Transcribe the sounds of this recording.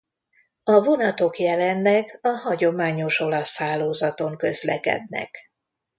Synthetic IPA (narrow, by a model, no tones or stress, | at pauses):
ɒvo̞nɒt̪o̞kjɛlɛnːɛkɒhɒɟo̞maːɲo̞ʃo̞lɒshaːlːoːzɒt̪o̞ŋkø̞zlɛ̰kɛ̰d̪nɛ̰k